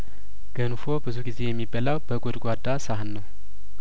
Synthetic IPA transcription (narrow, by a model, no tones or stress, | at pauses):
ɡ̥ənfo̞bɨzuɡize̞jɛmːibːalawbəɡod̪ɡʷad̪ːasahnːəw